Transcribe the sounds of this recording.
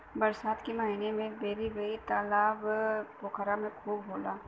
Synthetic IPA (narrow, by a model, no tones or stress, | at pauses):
bɐɾsaːt̪kimaːɦiːnemẽbeːɾibeit̪aːlaːbbokʰaɾamẽkʰuːbboːlaː